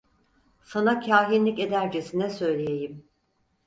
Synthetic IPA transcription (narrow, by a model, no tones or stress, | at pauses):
sanacʰaːɦinlʲice̞d̪æɾd͡ʒe̞sinɛsø̞jlʲejejim